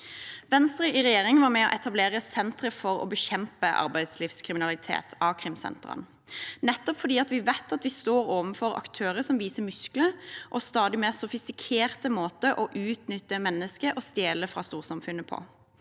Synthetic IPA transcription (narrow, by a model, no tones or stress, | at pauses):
ʋɛnst̪ʁʏʔɪʁɛjeːʁɪŋʋɑɾmɛɔ̰ʔɛt̪ɑbleːʁəsɛnt̪ɾəfɔɾɔ̰bəçɛmpəʔɑ̰ɾbæɪd̪slifskʰʁɪmɪnɑlɪt̪ʰḛːt̪ʰɑʋkʰɾɪmsɛ̰nt̪ʁə̰n | nɛt̪ːɔpfɔd̪iːɑt̪ʋɪʋæɪt̪ɑt̪ʋɪst̪oːɾoːʋənfɔɾɑ̰kt̪ʰøːʁəsɔmʋiːsəmʉskləʔɔst̪ɑːd̪ɪmeːʁsɔfɪst̪ɪkʰeːʁt̪əmoːt̪əʔɔʔʉːt̪nʏt̪ːəmɛnːəskəʔɔst̪jeːləfʁɑ̰ːst̪uːʁsɑmfʉnːəpʰɔ̰